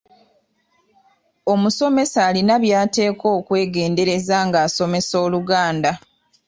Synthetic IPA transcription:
o̞muso̞me̞saːlinaβjaːte̞ːko̞ːkwe̞ːɡe̞ːnde̞ɾe̞zaŋɡaːso̞me̞so̞ːluɡaːnda

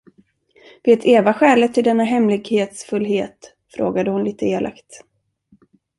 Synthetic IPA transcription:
veːt̪ʰeːvaɧɛːlət̪ʰːɪld̪ɛnːaɦɛmlɪɡheːt̪sfɵlːɦeːt̪ | fɾo̰ːɡad̪əhʊnliːt̪əeːlʔa̰kt̪

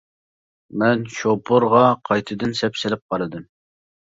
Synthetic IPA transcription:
mɛnʃopʰʊɾʁɑqʰɑjt̪ʰɨd̪ɨnsɛpsɪlɪp̚qɑɾɨd̪ɨm

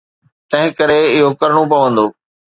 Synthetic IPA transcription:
t̪ɐ̃ɦɪ̃kɐɾeɪɦokɐɾɽ̃op̬ɐʋə̃nd̪oː

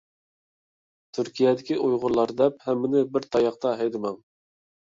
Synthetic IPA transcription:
t̪ʰyɾkʲʰijɛd̪ɪkʲiʔujʁʊɾlˠɑɾd̪ɛp̚hɛmːɪnɪbɪɾt̪ʰɑjɑχt̪ɑɦɛjd̪ɪmɛŋ

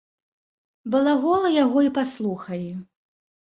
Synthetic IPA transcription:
bɨlˠaɣɔlˠɐjaɣɔipaslˠuxɐlʲi

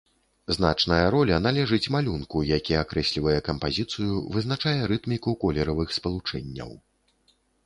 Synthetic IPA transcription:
zna̰t͡ʂnɐjɐɾɔlʲɐnalʲɛʐɨt͡sʲmalʲunkujakʲiakɾɛsʲlʲivɐjɛkɐmpazʲit̪sɨjuvɨznat͡ʂajɛɾɨt̪mʲikukɔlʲɛɾɐvɨxspɐlˠut͡ʂɛ̰nʲːɐ̰w

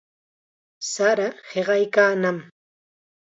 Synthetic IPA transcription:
saɾaheɢɑjkaːnam

